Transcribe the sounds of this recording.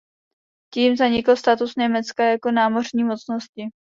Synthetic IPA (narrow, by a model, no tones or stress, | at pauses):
ciːmzaɲɪkl̩st̪at̪usɲɛmɛt͡skajako̞naːmo̞rɲiːmo̞t͡sno̞scɪ